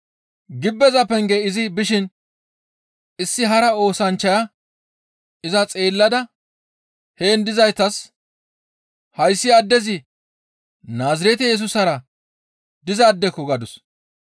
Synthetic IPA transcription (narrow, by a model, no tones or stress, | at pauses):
ɡɪbːɛzɐpɛŋɡɛɪzɪbɪʃɪn | ɪsːɪɦɐɾɐo̞ːsɐnt͡ʃːɐjɐ | ɪzɐt͡sʼe̞ːlːɐd̪ɐ | he̞ːnd̪ɪzɐjt̪ɐs | hɐjsːɪɐd̪ːɛzɪ | naːzɪɾɛt̪ɛjɛs̬ʊsɐɾɐ | d̪ɪzɐːd̪ːɛkːɔɡɐd̪ʊs